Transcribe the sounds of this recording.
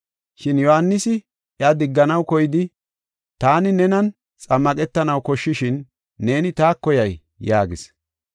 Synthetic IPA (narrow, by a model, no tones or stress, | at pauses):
ʃɪnjɔhanːɪsɪ | ʔjɐd̪ɪɡːɐnɐwkɔjɪd̪ɪ | t̪aːnɪnɛnɐn | t͡sʼɐmːɐkʼɛt̪ːɐnɐwkɔʃːɪʃɪnː | e̞ːnɪt̪aːkːɔjɐj | jaːɡɪs